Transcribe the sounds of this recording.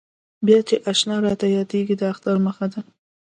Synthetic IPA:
bjɑt͡ʃeʔaʃnɑɾɑt̪ajɑd̪eɡid̪əaxt̪ɑɾməxad̪a

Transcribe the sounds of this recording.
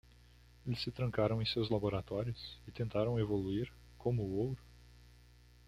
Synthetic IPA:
elɪsːɪt̪ɾɐ̃ŋkaɾɐ̃w̃ẽj̃sewzlaboɾat̪ɔɾiʊsɪt̪ẽnt̪aɾɐ̃w̃evoluiɾ | kõmʊːow̪ɾʊ

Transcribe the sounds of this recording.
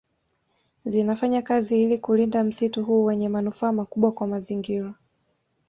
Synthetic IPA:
zinafaɲakaziilikulindam̩situɦuːwɛɲɛmanufaːmakuɓwakwamaziŋɡiɾa

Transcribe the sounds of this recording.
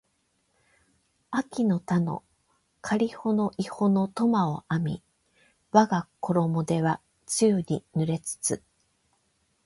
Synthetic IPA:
akʲino̞t̪ano̞̰ | kʰaɾʲiho̞no̞ʔiho̞no̞t̪o̞mao̞amʲi | βaɡako̞ɾo̞mo̞d̪e̞βa | t͡sɨɯninɯɾe̞t͡sɨ̥t͡sɨ

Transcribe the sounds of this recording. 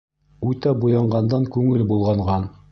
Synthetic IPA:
ujt̪ɑbujɑɴɢɑnd̪ɑŋkʉŋɘlbulˠʁɑɴʁɑn

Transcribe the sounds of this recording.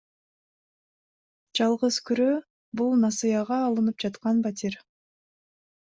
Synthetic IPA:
d͡ʒɑlˠʁəzkʰyɾø | bulˠnɑsɨjɑʁɑːlˠɯnɯp̚d͡ʒɑt̪qɑnbat̪ʰʲiɾ

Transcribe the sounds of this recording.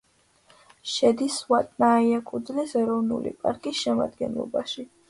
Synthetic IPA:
ʃɛd̪isvat̪ʼnaːiakʼud̪zlisɛɾɔvnṵlḭpʼa̰ɾkʼisʃɛma̰d̪ɡɛnlˠɔ̰baʃi

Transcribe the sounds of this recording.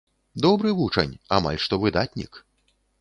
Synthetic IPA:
d̪ɔbɾɨvut͡ʂɐ̰nʲa̰ma̰lʲʂt̪ɔvɨd̪at̪ʲnʲḭk

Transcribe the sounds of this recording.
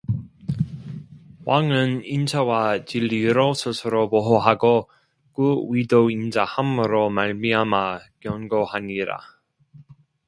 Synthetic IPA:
waŋɯnint͡ɕʰawat͡ɕiʎːiɾosʰɯsʰɯɾopoɦoɦaɡo | kuwidoind͡ʑahamɯɾomaɭmiamakjʌnɡohaɲiɾa̰

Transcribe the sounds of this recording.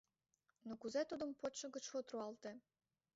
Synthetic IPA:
nokuzet̪ud̪əmpoʃə̆ɣə̆t͡ɕfot̪ruɑlt̪e

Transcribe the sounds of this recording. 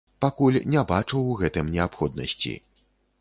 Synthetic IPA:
pakulʲnʲɛbat͡ʂɨwɣɛt̪ɨmnʲɛapxɔd̪nɐ̰sʲt͡sʲḭ

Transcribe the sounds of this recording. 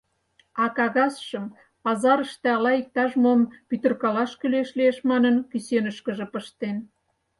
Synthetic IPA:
ɑkɑɣɑsʃə̆m | pɑzɑɾəʃt̪ĕɑlɑik̚t̪ɑʒmompyt̪ə̆rkɑlɑʃkyleʃlieʃmɑnənkysenəʃkə̆ʒĕpəʃt̪en

